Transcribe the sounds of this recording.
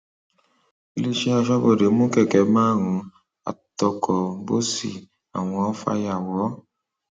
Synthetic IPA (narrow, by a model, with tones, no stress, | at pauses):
i˧le˦ʃe˦a˧ʃɔ˦bo˦˨de˨˦mũ˦kɛ˦˨kɛ˨˦mãː˦˨ɾ̃ũ˧˦ | a̰˨tɔ˧kʰɔ˨bo˦si˦˨ | a̰˨w̃ɔ̃˧ɔ˦fa̰˧ja˨wɔ˨˦